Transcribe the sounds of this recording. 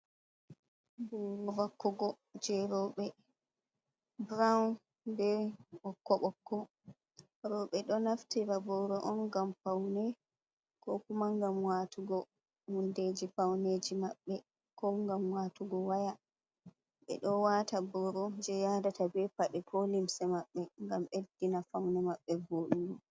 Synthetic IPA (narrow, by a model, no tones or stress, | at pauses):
bɔɾɔvakːɔɡɔ | d͡ʒɛɾɔɓɛ | bɾan | dɛɓɔkːɔɓɔkːɔ | ɾɔɓɛɗɔnaftiɾabɔɾɔʔɔnɡampawnɛ | kɔkumaŋɡamwatuɡɔ | hunded͡ʒifawned͡ʒimaɓːɛ | kɔŋɡamwaːtuɡɔwaja | ɓɛ̰ɗɔwatabɔɾɔd͡ʒɛjadatabɛpaɗɛkʰɔlimsɛmaɓːɛŋɡamedːinafawnɛmaɓːɛboɗuɡɔ